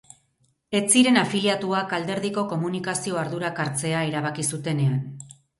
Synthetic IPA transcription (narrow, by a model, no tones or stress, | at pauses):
e̞t͡siɾe̞nafiliat̪uakald̪e̞ɾðiko̞ko̞munikasio̞aɾðuɾakaɾt͡se̞aeɾaβ̞akisut̪e̞ne̞an